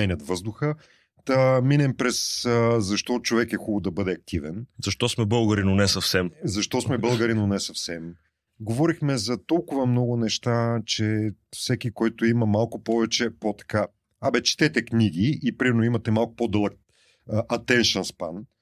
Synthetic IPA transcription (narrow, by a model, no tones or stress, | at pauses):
mɛnʲɐt̪vɤzd̪ʊxə | d̪ɐminɛmpɾɛszɐʃt̪ɔt͡ʃovɛkɛxubəd̪ɐbɤd̪ɛɐk̚t̪ivɛnzɐʃt̪ɔsmɛbɤlˠɡəɾinonɛsɐfsɛmzɐʃt̪ɔsmɛbɤlˠɡəɾinonɛsɐfsɛm | ɡovɔɾixmɛzɐt̪ɔlˠkʊvɐmnɔɡʊnɛʃt̪at͡ʃɛfsɛkikɔjt̪ʊimɐmalˠkʊpɔvɛt͡ʃɛpot̪ɐ̥ka | abɛt͡ʃi̥t̪ɛt̪ɛkniɡ̟iːpɾimɛɾnoimɐt̪ɛmalˠkʊ̥pod̪əlˠək̚ | ʔɐt̪ɛnʃɛnspa̰n